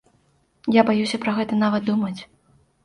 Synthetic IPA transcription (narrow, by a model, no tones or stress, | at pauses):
jabajusʲɐpɾɐɣɛt̪ɐnavɐt̪̚d̪umɐt͡sʲ